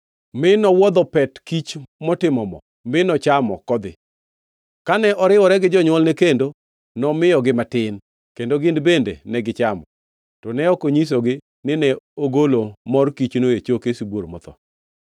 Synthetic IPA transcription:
mɪnɔwɔd̪ɔpɛtkit͡ʃmɔtɪmɔmɔ̰ | mɪnɔt͡ʃamɔ̰kɔd̪ɪ̰ | kanɛʔɔɾɪwɔɾɛɡɪd͡ʒɔɲwɔlnɛkendo | nɔmɪjɔɡɪmatɪn | kendoɡɪndbendḛnɛɡɪt͡ʃamɔ | tɔnɛɔkoɲis̬oɡɪ | nɪnɛoɡolomɔrkit͡ʃnoet͡ʃokesibwoɾmɔ̰t̪ɔ̰

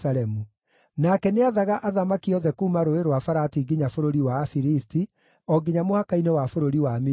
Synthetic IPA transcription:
aɾɛmu | nakɛneaðaɣaʔaðamakiɔðɛkuːmaɾoeɾwafaɾatiɡiɲafoɾoɾiwaːfiɾisti | ɔɡiɲamohakainɛwafoɾoɾiwami

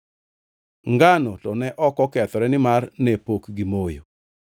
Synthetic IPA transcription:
ŋɡanɔtɔnɛʔɔkɔkɛt̪ɔɾɛnɪmarnepokɡimojo̰

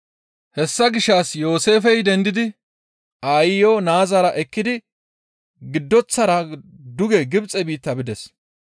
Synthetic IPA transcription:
hɛsːɐɡɪʃːaːsjo̞ːse̞ːfɛjd̪ɛnd̪ɪd̪ɪ | aːjɪjoːnaːzɐɾɐʔɛkːɪd̪ɪ | ɡɪd̪ːɔt͡sːɐɾɐ | d̪ʊɡɛɡɪbt͡sʼɛbiːt̪ːɐbɪd̪ɛs

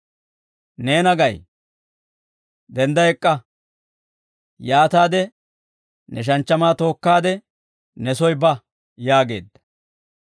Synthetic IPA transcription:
neːnɐɡɐj | d̪ɛnd̪ɐɛkʼːɐ | jaːt̪aːd̪ɛ | nɛʃ̬ɐnt͡ʃːɐmaːt̪o̞ːkːaːd̪ɛ | nɛsɔjbɐ | jaːɡe̞̰ːd̪ːɐ̥

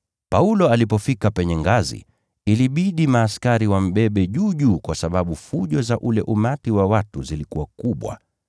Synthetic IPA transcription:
paulɔalipɔfikapɛɲɛŋɡazḭ | iliɓiɗimaːskaɾiwam̩ɓɛɓɛʄuːʄuːkwasaɓaɓufuʄɔzaʔulɛʔumatiwawatuzilikuwakuɓwa̰

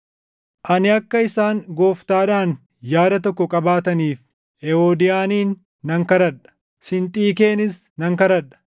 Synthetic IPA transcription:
ʔɐnɪɐkːɐɪsaːŋɡo̞ːft̪aːᶑaːn | jaːd̪ɐt̪ɔkːɔkʼɐbaːt̪ɐniːf | ɛoːd̪ɪjaːniːnː | ɐŋkɐɾɐᶑɐ̥ | sɪnt̪ʼiːk̬e̞ːnɪsnɐŋkɐɾɐᶑɐ̥

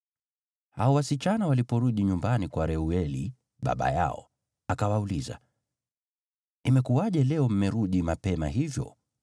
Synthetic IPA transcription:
haɔwasit͡ʃanawalipɔɾuɗiɲumbanikwaɾɛuɛlḭ | ɓa̰ɓa̰ja̰ɔ̰ | akawauliza̰ | imɛkuaʄɛlɛɔm̩mɛɾuɗimapɛma̰ɦivjɔ̰

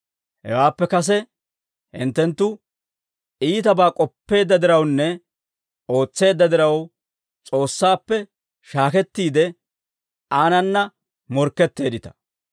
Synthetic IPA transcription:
hɛ̰waːpːɛkɐs̬ɛ | hɪ̰nt̪ːɛnt̪ːʊ | iːt̪ɐbaːkʼɔpːe̞ːd̪ːɐd̪ɪɾɐwnːɛ | o̞ːt͡sːe̞ːd̪ːɐd̪ɪɾɐw | t͡sʼo̞ːsːaːpːɛ | ʃaːkɛt̪ːiːd̪ɛ | aːnɐnːɐ | mɔɾkːɛt̪ːe̞ːd̪ɪt̪ɐ̥

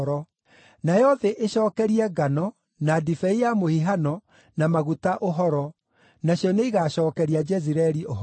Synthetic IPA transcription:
ɾɔ | najɔðɛʔeɕɔːkɛɾiɛɡanɔ | nadifɛijamohiɦanɔ | namaɣutaʔoɦɔɾɔ | naɕjɔneiɣaːɕɔːkɛɾiad͡ʒɛziɾɛɾio

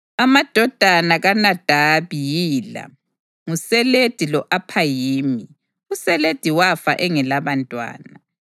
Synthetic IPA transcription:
amad̥ʱɔd̥ʱanaɣanad̥ʱaβijiːla̰ | ŋusɛled̥ʱilɔʔapʰajiːmi | usɛled̥ʱiwafa̰ʔɛŋɛlaβantʼwa̰ːna

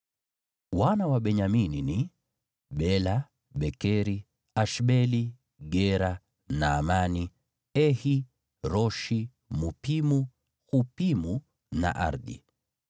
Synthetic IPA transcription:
wanawaɓɛɲaminini | ɓɛla | ɓɛkɛɾi | aʃɓɛli | ɡɛɾa | naːmani | ɛhi | ɾɔʃi | mupimu | xupimu | na̰ʔa̰ɾdḭ

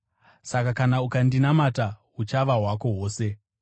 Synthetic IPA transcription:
sakakanaukandinamataɦut͡ʃaʋaɦwako̞ɦo̞ːse̞

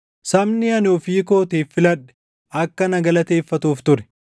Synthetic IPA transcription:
sɐmnɪɐnoːfiːko̞ːt̪eːfːɪlɐᶑːɛ̥ | ɐkːɐnɐɡɐlɐt̪e̞ːfːɐt̪uːft̪ʊɾɛ̥

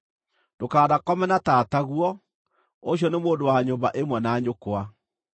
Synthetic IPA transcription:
dokaːðakɔmɛnataːtaɣuɔ | oɕ̬iɔnemoːndowaɲombaʔemwɛnaɲokoa

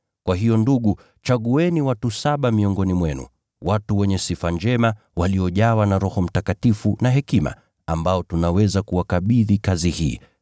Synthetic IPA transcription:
kwaɦijɔnduɠu | t͡ʃaɠuɛniwatusaɓamiɔŋɡɔnimwɛnṵ | watuwɛɲɛsifand͡ʒɛma | waliɔʄawanaɾɔhɔm̩takatifunaɦɛkima̰ | ambaɔtunawɛzakuwakaɓiðikazihiː

